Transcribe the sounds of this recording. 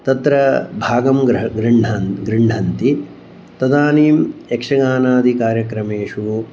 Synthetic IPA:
t̪ɐt̪ɾɐbʱaːɡɐmɡɡɾiɳɖʱanɡɾiɳɖʱɐnt̪i | t̪ɐd̪aːniːmjekʂɐɡaːnaːd̪ʱikaːɾjɐkɾɐmeːʂu

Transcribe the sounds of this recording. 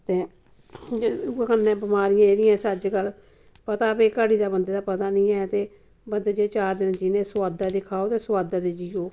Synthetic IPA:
t̪eː | kənːɛ̃ːbɪmaːɾɪjãːeːɾɪːãːsəd͡ʒɡəl | pət̪aːpeːkəːɽiːd̪aːbənd̪eːd̪aːpət̪aːnĩːɛːt̪eː | bənd̪eːd͡ʒeːt͡ʃaːɾd̪ɪnd͡ʒiːnẽːsʊʋaːd̪aːd̪ɪkʰaːoːt̪eːsʊwaːd̪aːd̪eːd͡ʒioː

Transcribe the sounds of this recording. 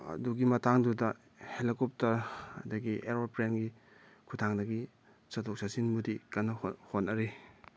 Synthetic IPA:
ɐ̰duɡimɐtaŋdudɐ | helikop̚tɐɾɐdɐɡiʔeɾopɾenɡi | kʰutʰaŋdɐɡi | sɐtʰok̚sasinmudikanɐhhonːɐɾi

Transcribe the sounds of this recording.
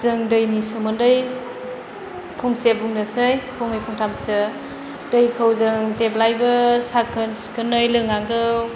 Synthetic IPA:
zɯŋdəjnisumɯndɯj | pʰɔŋsebuŋnɯsɯjpʰɔŋɯjpʰɔŋtʰamsɯ | dəjkʰawzɯŋzeblajbɯsakʰɯnskɯnɯjlɯŋaŋɡɯw

